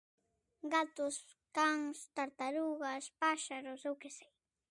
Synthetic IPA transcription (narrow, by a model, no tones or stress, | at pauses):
ɢat̪ʊs | kaŋst̪aɾt̪aɾuɢaspaʃaɾosawkesaj